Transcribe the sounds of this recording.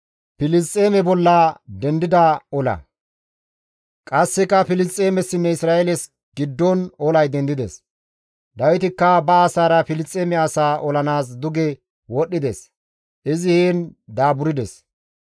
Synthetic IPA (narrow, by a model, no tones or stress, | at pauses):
pɪlɪs̬t͡sʼːeːmɛbɔlːɐd̪ɛnd̪ɪd̪ɐɔlɐ̰ | kʼɐsːɛkːɐfɪlɪst͡sʼeːmɛsːɪnːɛɪsɾaːelɛs | ɡɪd̪ːɔnɔlɐjd̪ɛnd̪ɪd̪ɛ̰s | d̪ɐwɪt̪ɪkːɐbɐːsaːɾɐfɪlɪst͡sʼːeːmɛɐsaːʔɔlɐnaːs̬d̪ʊɡɛ | wɔɗːɪd̪ɛs | ʔɪzɪheːnd̪aːbʊɾɪd̪ɛs